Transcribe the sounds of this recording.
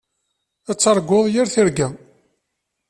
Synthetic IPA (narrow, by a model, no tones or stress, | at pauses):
æt͡sːɑɾˤɡʷːoðˤjəɾθiɾɡæ